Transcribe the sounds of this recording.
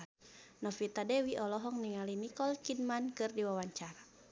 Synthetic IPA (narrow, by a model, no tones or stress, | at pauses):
nɔfit̪adɛwiʔɔlɔɦɔŋniŋalinikɔlkidmankɨrdiwawaɲt͡ʃaɾa